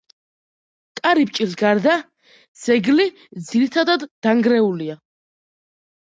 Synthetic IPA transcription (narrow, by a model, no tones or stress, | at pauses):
kʼaɾip̚ʼt͡ʃʼilɡaɾd̪a | d̪z̥ɛɡli | d̪ziɾit̪ʰad̪ad̪ːaŋɡɾɛulia